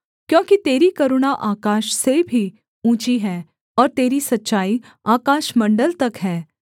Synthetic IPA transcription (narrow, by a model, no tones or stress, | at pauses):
kjõːkit̪eːɾikɐɾʊɽ̃aʔaːkaːʃsebʱi | ũːt͡ʃiɦɛː | ɔːɾt̪eːɾisɐtːʃaːi | aːkaːʃmɐ̃ɳɖəlt̪ɐkɦɛː